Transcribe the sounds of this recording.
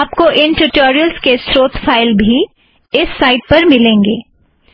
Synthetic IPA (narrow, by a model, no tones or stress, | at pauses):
p̚koʔɪnʈuʈoːɾijəlzkesɾoːt̪faːɪlbʱi | ɪsːaːɪʈ̚pɐɾmɪlẽːŋɡeː